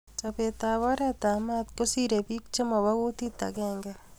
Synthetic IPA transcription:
t͡ʃape˨t̪a˨wa˦ɾa˦t̪a˨ma˦t̪̚ko˦si˦ɾe˨pi˦k̚t͡ʃe˦mɔ˨wa˦ko˦t̪i˦t̪a̰˨kɛ˦ŋɡɛ˦

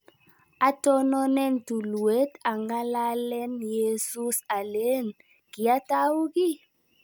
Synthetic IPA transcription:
a˦tɔ˦nɔ˦nɛ˦˨n˨tu˨lu˨we˦ta˨ŋɡa˦la˦lɛ˦nje˦su˦sa˨le˦n | ki˨a˦ta˦wu˦ki˦

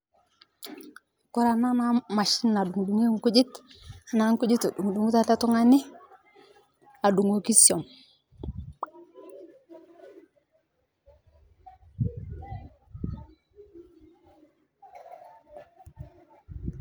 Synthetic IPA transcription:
ku˦ɾa˦na˦na˦ma˨ʃi˦na˨du˨ŋdu˨ŋe˦ŋku˦d͡ʒi˦ta˨na˦ŋku˦d͡ʒi˦to˨ɗu˨ŋdu˨ŋu˦ta˦la˦tu˦ŋa˦ni˦ | a˨du˨ŋo˨ki˦si˨o˨m

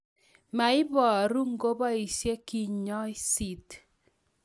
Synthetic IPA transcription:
ma˨ɪ˦bɔ˨ɾu˦ŋ˦ɡo˦ba˦i˨sje˦ki˨ɲɔ˦ɪ˦si˦t

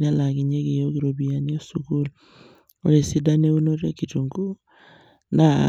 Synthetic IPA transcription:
n˦a˦la˨ki˨ɲe˦ke˨jo˦ki˨ɾo˨bi˨a˨ni˦o˦su˨ku˦lu˨ | o̰˨ɾe˨si˦da˦ne˦u˦no˦ɾe˦ki˨tu˨ŋɡu˦ | na˨

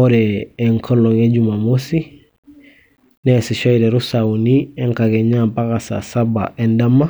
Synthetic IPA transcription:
oɾɛː˨ŋkʰo˦lo˨ŋe˦ɟuma˨mosi˦ | ne˦si˨ʃo˦iɾɛ˨ɾu˦saunie˦ŋka˨ke˨ɲampa˦ka˨sa̰˨saba̰ʔe˦ndama˦

